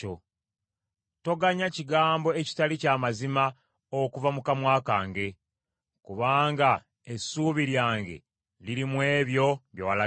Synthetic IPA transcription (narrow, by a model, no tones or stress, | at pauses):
o | to̞ɡaɲaciɡaːmbo̞eci̥talicaːmazima | okuvamukamwaːkaːŋɡe̞ | kuβaːŋɡa | esuːβiɾjaːŋɡe̞̰ | liɾimwe̞ːβjo̞βjowala